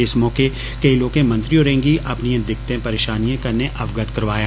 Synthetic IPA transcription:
ɪsmɔːke | kɐiloːkẽmɐ̃nt̪ɾijõɾẽːŋɡiʔɐpnijẽd̪ɪk̚t̪ẽpɐɾeːʃaːnijẽkɐɾneʔɐʋɡət̪kɐɾʋaːja

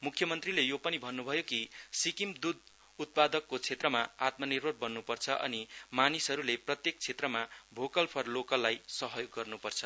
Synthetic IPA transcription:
mukʰjʌmʌnt̪rilejopʌnibʱʌnːubʱʌjokisikimd̪ud̪ | ut̪̚pad̪ʌkːot͡sʰet̪rʌmaat̪mʌnirbʱʌɽ̚bʌnːupʌrt͡sʰʌʔʌ̰nimanisɦʌɾuleprʌt̪jek̚t͡sʰet̪rʌmabʱokʌlpʰʌrlokʌlːajsʌɦʌjoɡːʌrnupʌrt͡sʰʌ̥

